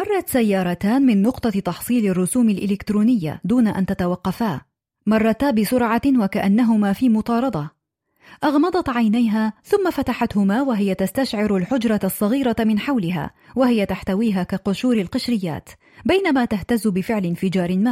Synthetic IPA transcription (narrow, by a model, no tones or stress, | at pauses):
mɑrˤːɑt̪sajːɑːɾˤɑt̪aːnmɪnːʊqt̪ˤɑt̪ɑħsˤiːlɪrˤːʊsuːmalʔɪ̰lɪkt̪ɾuːnɪjːa̰d̪uːnaʔa̰nt̪at̪awɑqːɑfaː | mɑrˤːɑt̪abɪsʊɾʕɑwakaʔanːaɦʊmaːfiːmʊt̪ˤɑːɾˤɑd̪ˤɑ | ʔɑɣmɑd̪ˤɑt̪ʕajnajɦaːθʊmːafat̪aħat̪hʊmaːwaɦɪjat̪ast̪aʃʕɪɾalħʊd͡ʒɾˤɑsˤːɑɣiːɾamɪnħawlɪɦa̰ː | waɦɪjat̪aħt̪awiːɦaːkaqʊʃuːɾɪlqɪʃɾɪjːa̰ːt̪ | bajnamaːt̪aht̪azːʊbɪfɪʕlɪnfɪd͡ʒɑːɾˤɪmaː